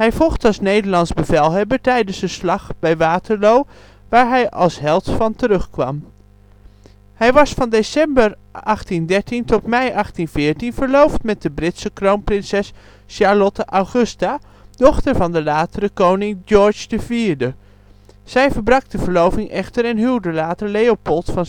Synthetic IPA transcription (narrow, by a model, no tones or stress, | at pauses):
ɦɛjvɔlˠχtɑlˠsnejdəɹlɑnzbəvɛlˠɦɛbəɹtɛjdənsdəslɑχb̥ɛjʋaːtəɹlow | ʋaːɹɦɛjɑ̰lˠsɦɛlˠtfɑntəɾɵχkʋɑm | hɛjʋɑsfɑndesɛmbəɹ | ɑχtindɛɹtintɔtmɛjʔɑχtinvɪːɹtinv̥əɹlowftmɛt̚dəbrɪtsəkrownprɪnsɛs | ʃɑɹlɔtəʔawχɵsta | d̥ɔχtəɹvɑndəlaːtəɾəkownɪŋd͡ʒɔɹd͡ʒdəviːɹdə | z̥ɛjvəɹbrɑk̚dəvəɹlowvɪŋʔɛχtəɹɛnɦilˠdəlaːtəɹlejopɔlˠtfɑn